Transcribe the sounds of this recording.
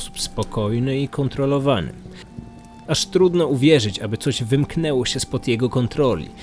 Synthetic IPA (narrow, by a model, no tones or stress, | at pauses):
su̥pspɔkɔjnɘikɔnt̪ɾɔlɔvanɘ̰ | aʂt̪ɾud̪nɔuvʲjɛʐɘt͡ɕabɘt̪sɔʑvɘmknɛwɔɕɛspɔd̪jɛɡɔkɔnt̪ɾɔlʲḭ